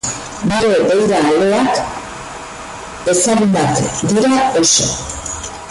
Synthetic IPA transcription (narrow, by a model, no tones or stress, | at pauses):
ɡuɾe̞dejɾaːle̞ak | e̞saɣumbakd̪iɾao̞so̰